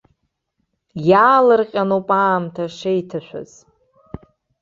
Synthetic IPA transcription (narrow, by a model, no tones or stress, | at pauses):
jaːlɨrqʲʼanopʼaːmtʰaʂejtʰaʃʷᶣa̰z̥